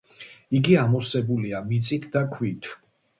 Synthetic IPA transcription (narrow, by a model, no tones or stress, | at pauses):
iɡiamɔsɛbuliamit̪sʼit̪ʰd̪akʰwit̪ʰ